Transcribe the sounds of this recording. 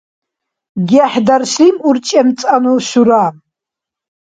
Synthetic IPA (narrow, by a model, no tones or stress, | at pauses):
ɡʲaħdarʃimurt͡ʃʼamt͡sʼanuʃuɾa